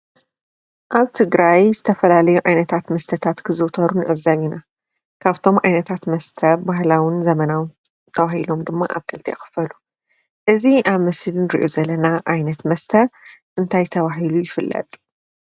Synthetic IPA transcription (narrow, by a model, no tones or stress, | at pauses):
ʔaβt̪ʰɨɡɾajzɨt̪ʰɐfɐlalɐjuʔajnɐt̪ʰat̪mɐst̪ʰɐt̪ʰat̪kʰɨzɨt̪ʰɐɾunɨʔɨβzaβina | kʰaβt̪ʰo̞mʕajnɐt̪ʰat̪mɐst̪ʰɐbahlawɨnzɐmɐnaw | t̪ʰɐβahilo̞md̪ɨmːa̰ʔa̰βkʰʼɨlt̪ʰḭxɨ̥fɐlu | ʔɨziʔaβmɐsɨlnɨɾiʔozɐlɐnaʔajnɐt̪mɐst̪ʰɐʔɨnt̪ʰajt̪ʰɐβaɦilujɪfɨlːɐ̰t̪ʼ